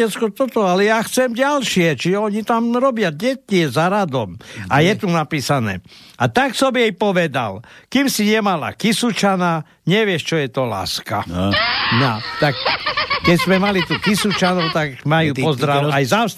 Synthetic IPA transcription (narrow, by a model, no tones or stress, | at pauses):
ɛt͡skɔt̪ɔt̪ɔalɛjaːxt͡sɛmɟalʃɪɛt͡ʃiʒɛɔɲit̪amɾɔbɪaɟɛcɪɛzaɾad̪ɔmajɛt̪unapiːsanɛ̰ːat̪aksɔbɛjpɔʋɛd̪a̰lkimsiɲɛmala̰kisut͡ʃana | ɲɛʋɪɛʃt͡ʃɔjɛt̪ɔla̰ːska | nat̪akkɛczmɛmalit̪uːkisut͡ʃanɔʊt̪akmajuːpɔzd̪ɾaajzas